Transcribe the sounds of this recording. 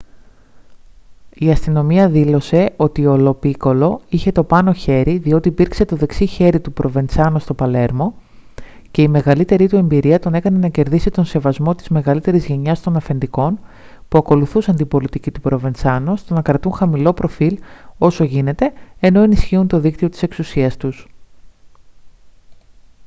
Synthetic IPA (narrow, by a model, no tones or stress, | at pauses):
iɐst̪ino̞miɐðilo̞se̞o̞t̪iolo̞piko̞lo̞içe̞t̪o̞pɐno̞çe̞ɾiðio̞t̪iːpiɾkse̞t̪o̞ðe̞ksiçe̞ɾit̪upɾʔo̞ve̞nsɐnost̪o̞pɐle̞ɾmo̞ | ce̞ime̞ɣɐlit̪e̞ɾit̪ue̞mbiɾiɐt̪o̞nekɐne̞nɐce̞ɾðisit̪o̞nse̞vɐzmo̞t̪i̥zme̞ɣɐlit̪e̞ɾizʝe̞ɲɐst̪o̞nɐfe̞nd̪iko̞n | puɐko̞luθusɐnt̪ibo̞lit̪icit̪upɾo̞ve̞nsɐnost̪o̞nɐkɾɐt̪uŋxɐmilo̞pɾo̞filo̞so̞ʝine̞t̪e̞ːno̞enisçiunt̪o̞ðikt̪io̞t̪i̥se̞ksusiɐst̪us